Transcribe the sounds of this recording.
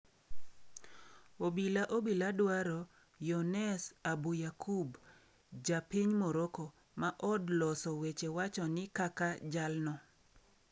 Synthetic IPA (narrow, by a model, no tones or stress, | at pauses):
obilaʔobiladwaɾɔ | jɔnɛsabujakʰub | d͡ʒapɪɲmɔɾokɔ | maʔɔdlɔsɔwet͡ʃewat͡ʃɔnɪkakad͡ʒalnɔ